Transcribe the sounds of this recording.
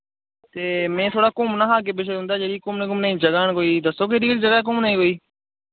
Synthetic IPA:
t̪eːmẽːt̪ʰoːɽaːkʊmnaːɦaːk̬eːbeːʃ̬eːɦʊ̃ːnd̪aːd͡ʒeːɾiːkʊmnẽːkʊmnaĩːd͡ʒəɡaːɳkoːiːd̪əsoːk̬eːɗiːɽid͡ʒəɡaːk̬ʊmnaːĩɦoːiː

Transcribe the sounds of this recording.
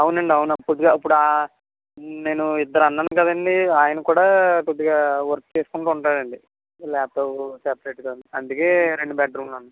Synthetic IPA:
ɐwunɐɳɖiɐwunɐkod̪iɡaːip̬ːuɽua | ne̞ːnuid̪ːɐɾɐnːd̪ankɐd̪ɐɳɖiaːjɐnɐkuːɽaːkod̪ːiɡaːʋɐɾkt͡ʃeːsu̥kuɳʈuːuɳʈaːɾɐɳɖi | lɛːt̪osɛːpɐɾeːʈɡaund̪iɐnd̪ukeːɾeɳɖubaːʈ̚ɾuːnlɐnd̪

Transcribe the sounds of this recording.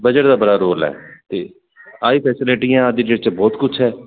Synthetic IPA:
bəd͡ʒəʈd̪aːbəɽaːɾoːlɛ̰ːt̪eː | aːiːpʰɛːsɪlɪʈijãːəd̪iːd͡ʒet͡ʃəbɔːt̪kʊt͡ʃʰɦɛː

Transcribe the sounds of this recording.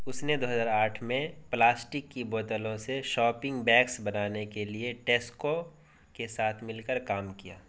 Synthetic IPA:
ʊsned̪oːɦəzaːɾaːʈʰmẽplaːsʈɪkːiboːt̪əlõseʃɔːpɪ̃ŋɡbɛːksbɐnaːnekelieʈeːsko | kesaːt̪ʰmɪlkəɾkaːmkijaː

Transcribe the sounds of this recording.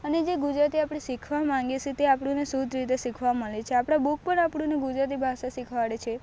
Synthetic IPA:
əned͡ʒeɡud͡ʒɾat̪iapɽ̃isikʰʋamãŋɡeʃet̪eapɽ̃ũnesud̪ʱɾit̪̬esikʰʋaməɭet͡ʃʰeapɽ̃abuk̚pəɳapɽũneɡud͡ʒɾat̪ibʱaʃasikʰʋaɭet͡ʃʰe

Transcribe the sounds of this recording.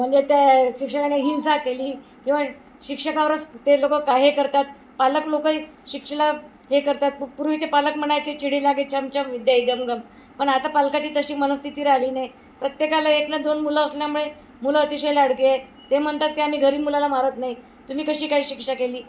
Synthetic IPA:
m̤əɳd͡zet̪aɕikʂəkaneɦinsakeliːkĩw̃ʋa | ɕikʂəkaʋɾəst̪elokəkːaɦekəɾt̪at̪̚ | paləklokəi | ɕikʂəla | ɦekəɾt̪at̪̚puɾʋit͡ɕepaləkm̤əɳajt͡ɕet͡ɕʰiɽiːlaɡet̚t͡ɕʰamt͡ɕəmʋid̪jaiɡəmɡəm | pəɳat̪apalkat͡ɕiːt̪əɕiːmənəst̪ʰit̪iːɾaɦliːnaj | pɾət̪jekalaeklad̪onmulaːsljamuɭe | muləːt̪iɕəjlaɽkie | t̪em̤əɳt̪at̪ːeam̤iːɡʱəɾiːmulalamaɾət̪nai | t̪um̤iːkəɕiːkaɦiːɕikʂakeliː

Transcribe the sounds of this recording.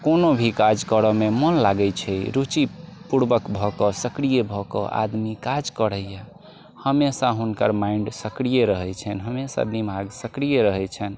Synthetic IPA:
konobʱikad͡ʒkəɾəmemənlaɡɛt͡ʃʰɛɾut͡ʃipuɽbəkbʱɔkɔsəkɾijebʱɔkɔ̰ʔa̰d̪mikad͡ʒkəɽəjɛ | həmesaɦunkəɾmaiɳɖsəkɾijeɾəɦɛt͡ʃʰɛnɦəmesa̰d̪imaɡsəkɾijeɾəɦɛt͡ʃʰɛn

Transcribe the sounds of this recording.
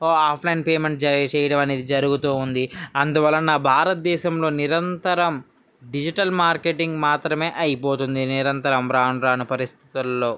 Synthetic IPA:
oaːpʰlɐjinpeːme̞ɳʈd͡ʒɐɾijɐt͡ʃɛːjɐɽɐmɐneːd̪id͡ʒɐɾuɡut̪uːund̪iɐnd̪uʋɐlːɐnaːbʱaːɾɐt̪̚d̪ɛːʃɐmlo̞ːniɾɐnt̪ɐɾɐm | ɖid͡ʒiʈɐlmaːɾkeʈiŋɡmaːt̪ɾɐme̞ːʔɐjipo̞ːt̪und̪iniɾɐnt̪ɐɾɐmɾaːnɾaːnupɐɾist̪ʰi̥t̪ulːo̞ː

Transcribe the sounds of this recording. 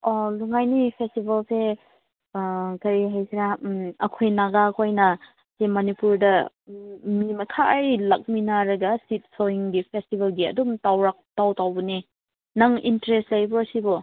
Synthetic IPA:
oluŋajnipʰestibɐlsʰe | kɐɾiɦajsiɾaɐkʰojnaɡaɐkʰojnɐ | semɐnipuɾdɐ | mimɐkʰaːjlɐk̚minaɾɐɡɐsit̚soiŋɡipʰestibɐlɡiɐ̰dumtawɾak̚tawtawbɐni | nɐŋḭntɐɾestlɐjbɔɐsibɔ

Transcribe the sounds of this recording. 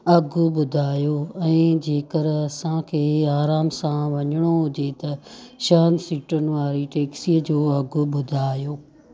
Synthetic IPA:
ɐɡʱʊɓʊd̪ʱaːjoːɛ̃ːd͡ʑeːkəɾɐsãkʰeːaːɾaːmsãʋɐɲəɽ̃oɦʊd͡ʑet̪ɐʃaːnsiʈənɪ̆ʋaːɾiʈeːksiːəd͡ʑoːɐɡʱʊ̆ɓʊd̪ʱaːjoː

